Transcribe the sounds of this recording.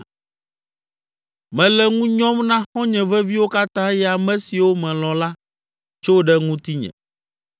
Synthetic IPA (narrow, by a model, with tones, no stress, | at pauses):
mɛ̃˨lɛ˦ŋũ˦ɲɔ̃˦mnã˦xɔ̃˦ɲɛ̃˨vɛ˦vi˦wo˦ka˦t̪ã˦jɛ˦˨a˨mɛ̃˦si˨wo˦mɛ̃˨lɔ̃˨la˦ | t͡ʃo˦ɖɛ˦ŋũ˦t̪i˦ɲɛ̰̃˨